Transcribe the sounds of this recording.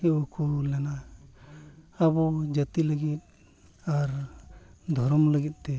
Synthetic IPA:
ɛɔkʰɔlɛna | abɔd͡ʒət̪iləɡit̪̚ | aɾ | d̪ʱɔɾɔmləɡit̪̚ˀt̪ɛ

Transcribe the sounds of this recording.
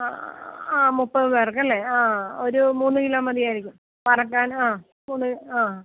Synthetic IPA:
aaːmupːɐʋerk̬ːɐlːeaːo̞ɾumuːnːɨkiloːmɐd̪ijaːjiɾikʲːum | pɐrɐkːaːnaː | muːnːɨaː

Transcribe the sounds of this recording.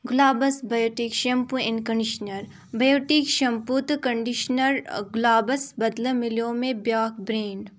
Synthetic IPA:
ɡʊlaːbɐsbɐjoːʈiːkʃɐmpũɪnkɐɳɖiʃnɐɾ | bɐjoːʈiːkʃɐmput̪kɐɳɖiʃnɐɾɡʊlaːbɐsbɐd̪ləmɪljõːmẽbjaːkbɾeːɳɖ

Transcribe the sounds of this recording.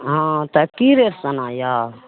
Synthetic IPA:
ɦãt̪əkiɾeɾsɐnaja

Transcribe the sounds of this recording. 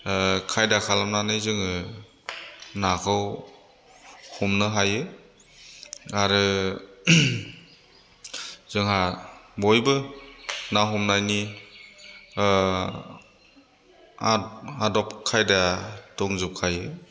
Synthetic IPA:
kʰajdakʰalamnanɯjzɯŋɯ | nakʰɯw | hɔmnɯɦajɯ | aɾɯ | z̥ɯŋɦabɔjbɯ | naɦɔmnajni | aadɔp̚kʰajdadɔŋzup̚kʰajɯ

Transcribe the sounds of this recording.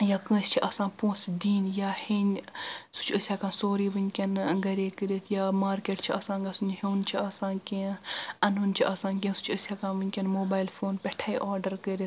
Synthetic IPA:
jaːkə̃ːsʲt͡ʃʰiʔɐsãːpõːsd̪iːnjaːhensu̥t͡ʃʰəsʲaːkãːsoːɾiːʋɨnʲkʲɐnɡɐɾeːkəɾʲet̪ʰjaːmaːɾkeːʈt͡ʃʰiɐsãːɡɐsunɦeːnt͡ʃʰiɐsãːkẽːɐnunt͡ʃʰiʔɐsãːk̬ʲẽːsu̥t͡ʃʰəsʲakãːʋɨnʲkʲɐnmoːbaːjlfoːnpʲɛʈʰaːjʔɔːɾɖəɾkəɾit̪̚ʰ

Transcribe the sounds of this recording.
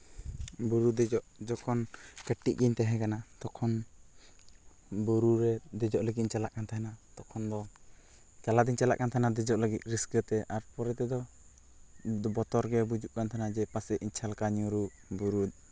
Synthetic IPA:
buɾud̪ɛd͡ʒɔʔd͡ʒɔkʰɔnkəʈːiʔ̚ɡiɲt̪ɛɦɛ̃kanat̪ɔkʰɔn | buɾuɾɛd̪ɛd͡ʒɔʔləɡit̪ɲt͡ʃalaʔkant̪ʰaɦɛnat̪ɔkʰɔnd̪ɔ | kalad̪iɲt͡ʃala̰ʔkant̪ʰanad̪ɛd͡ʒɔʔləɡit̪̚ɾiskət̪ɛʔaɾpɔɾɛt̪ɛd̪ɔ | bɔt̪ɔɾɡɛbud͡ʒuʔkant̪ʰanad͡ʒɛpasɛʔiɲt͡ʃʰalkaɲuɾubuɾud̪̚

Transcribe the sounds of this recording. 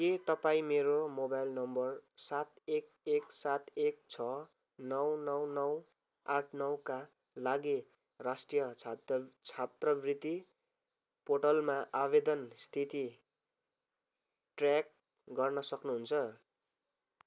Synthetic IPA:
ket̪ʌpaĩmeɾomobajlnʌmbʌrsat̪ek̚ | eksat̪ek̚t͡sʰʌ | nʌwnʌwnʌw | aʈʰnʌwka | laɡi | rasʈrijʌ | t͡sʰat̪rʌbrit̪i | poʈʌlmaʔabed̪ʌnst̪ʰit̪i | ʈrjak̚ | ɡʌrnʌsʌknuɦunt͡sʰʌ

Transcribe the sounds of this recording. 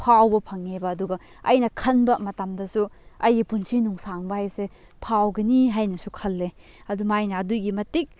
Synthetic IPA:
pʰawbɐpʰɐŋebɐːduɡɐ | ɐjnɐkʰɐnbɐmɐtamdɐsuɐjɡipunsinuŋsaŋbɐhajse | pʰawɡɐniɦajnɐsukʰɐlːe | ɐdumajnɐːduɡimɐtik̚

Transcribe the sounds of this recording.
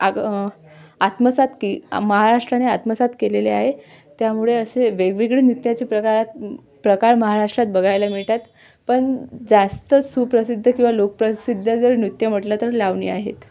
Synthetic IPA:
a | at̪məsat̪kiməɦaɾaʂʈɾaneat̪məsat̪keleleaɦe | t̪jamuɭeəseʋeɡʋiɡɭenjut̪jat͡ɕipɾəkaɾat̪̚ | pɾəkaɾməɦaɾaʂʈɾat̪̚bəɡʱajlamiɭʈ̪at̪ | pəɳd͡zast̪əsupɾəsid̪ʱːəkĩw̃ʋalok̚pɾəsid̪ʱːəd͡zəɾnut̪jəm̤əʈlat̪əɾlaʋɳḭːaɦḛt̪

